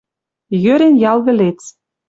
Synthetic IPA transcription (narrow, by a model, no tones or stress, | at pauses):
jøɾʲenjɑlˠɣɘ̆lʲet͡s